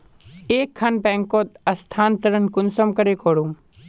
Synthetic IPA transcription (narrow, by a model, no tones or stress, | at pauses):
eːkʰːɐnpɛ̃ːŋkoːt̪ɐst̪ʰaːnt̪ɐɾənkʊnsəmkɐɾekoːɽũ